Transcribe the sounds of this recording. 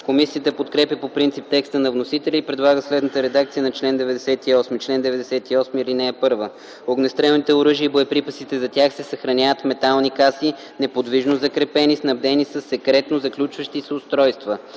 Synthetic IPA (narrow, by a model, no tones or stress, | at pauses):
komisiət̪əpot̪kɾɛpjəpopɾint̪sip̚t̪ɛkst̪ənɐvnosit̪ɛlʲiːpɾɛd̪lˠaɡəslɛd̪nət̪əɾɛd̪ak̚t̪sijənɐt͡ʃlɛnd̪ɛvɛd̪ɛsɛt̪iɔsmit͡ʃlɛnd̪ɛvɛd̪ɛsɛt̪iɔsmilinɛːpɤɾvə | oɡnɛst̪ɾɛlnit̪ɛoɾɤʒiəiboɛpɾipəsit̪ɛzɐt̪ʲjaxsɛsɐxɾɐnʲavət̪fmɛt̪alˠnikasi | nɛpod̪viʒnozɐkɾɛpɛnisnɐbd̪ɛnisəsːɛkɾɛt̪nozɐklʲut͡ʃvəʃt̪isʊst̪ɾɔjst̪və